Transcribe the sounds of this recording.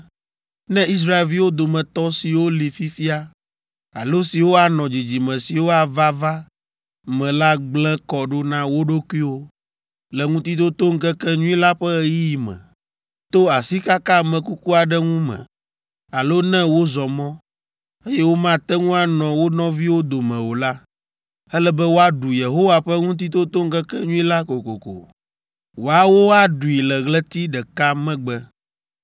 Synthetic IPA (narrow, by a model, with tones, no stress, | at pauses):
nɛ̃˦i˦s̬ɾa˦e˨lvi˦wo˦d̪o˨mɛ̃˨t̪ɔ˦si˨wo˦li˨fi˦fi˦a˦ | a̰˨lo˦si˨wo˦a˨nɔ̃˨d͡ʑi˨d͡ʑi˨mɛ̃˨si˨wo˦a˨va˦va˦ | mɛ̃˨la˦ɡ͡blɛ̃˦kɔ˨ɖo˦nã˦wo˦ɖo˦kwi˦wo˦ | lɛ˨ŋũ˦t̪i˦d̪o˦t̪o˦ŋ̩˦kɛ˦kɛ˦ɲũ˦ĩ˦la˦ɸɛ˦ji˦ji˨mɛ̰̃˨ | t̪o˦a˨si˦ka˦ka˦mɛ̃˨ku˦ku˦a˨ɖɛ˦ŋũ˦mɛ̰̃˨ | a˨lo˦nɛ̃˦wo˦zɔ˨mɔ̃˦ | e˦jɛ˦wo˦mã˦t̪ɛ˦ŋũ˦a˦nɔ̃˨wo˦nɔ̃˦vi˦wo˦d̪o˨mɛ̃˨wo˨la˦ | ɛ˦lɛ˦bɛ˦wo˦a˦ɖu˨je˨ɦo˦wa˨ɸɛ˦ŋũ˦t̪̬i˦t̪o˦t̪o˦ŋ̩˦kɛ˦kɛ˦ɲũ˦i˦la˦ko˨ko̰˨ko̰˨ | wo˨a˨wo˦a˨ɖu˨i˨lɛ˨ɣlɛ˦t̪i˦ɖɛ˨ka˦mɛ̃˦ɡ͡bɛ˦